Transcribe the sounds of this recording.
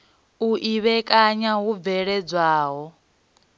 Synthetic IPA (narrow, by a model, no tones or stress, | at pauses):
uʔiβɛkʼaɲaɦub̪vɛɺɛd͡zʷwaːɦɔ